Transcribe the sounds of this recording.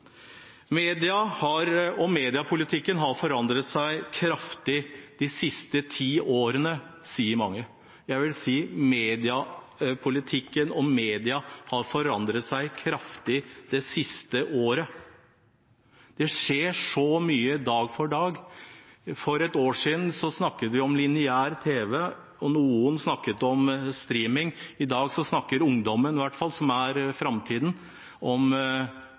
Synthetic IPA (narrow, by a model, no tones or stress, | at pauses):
meːd̪ɪɑhɑɾɔmeːd̪ɪɑpʰʊlɪt̪ʰɪkːənɦɑɾfɔɾɑnd̪ɾət̪sæɪkʰɾɑft̪ɪd̪̥ɪsɪst̪ət̪ʰiːoːɾənəsiːəɾmɑŋːə | jæɪʋɪlsiːmeːd̪ɪɑ | pʰʊlɪt̪ʰɪkːənɔmeːd̪ɪɑhɑɾfɔɾɑnd̪ɾət̪sæɪkʰɾɑft̪ɪd̪ɛsɪst̪əʔoːɾə | d̪̥ɛʂeːʂɔmyːəd̪ɑːɡfɔɖɑːɡ | fɔɾɛt̪oːʂiːd̪n̩sɔsnɑkːət̪ʋɪɔmlɪnɪæːɾt̪ʰeːʋə | ɔnuːənsnɑkːət̪ɔmst̪ɾiːmɪŋɪd̪ɑːɡsɔsnɑkːəɾʊŋd̪ɔmːənʋæʈfɑlsɔmæɾfɾɑmt̪ʰiːd̪n̩ | ɔm